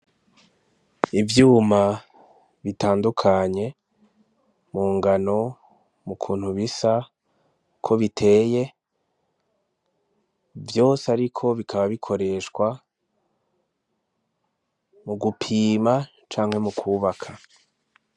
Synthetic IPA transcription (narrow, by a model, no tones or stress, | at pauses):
ivjuːma | βitaːndukʰaɲe̞ | muːŋɡano̞ | mukʰuːn̥huβisa | kʰo̞βitʰe̞ːje̞ | vjo̞ːseaɾikʰo̞βikʰaβaβikʰo̞ɾe̞ʃkwa | muɡupʰiːma | t͡ʃaːŋ̥he̞mukʰuːβakʰa